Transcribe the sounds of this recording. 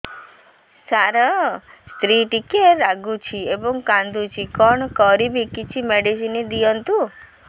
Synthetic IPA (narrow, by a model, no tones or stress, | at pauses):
saɾɔst̪ɾiʈikeɾaɡut͡ʃʰiebɔŋkãnd̪ut͡ʃʰikɔɳkɔɾibikit͡ʃʰimeɖisinid̪ijɔnt̪u